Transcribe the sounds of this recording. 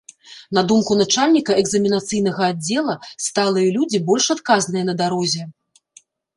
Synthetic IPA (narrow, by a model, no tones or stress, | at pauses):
nɐd̪umkunat͡ʂalʲnʲikɐɛɡzɐmʲinat̪sɨjn̪ɐɣɐːd͡zʲɛlˠɐst̪alˠɨjɐlʲud͡zʲibɔlʲʂat̪kaznɨjɛn̪ɐd̪aɾɔzʲɛ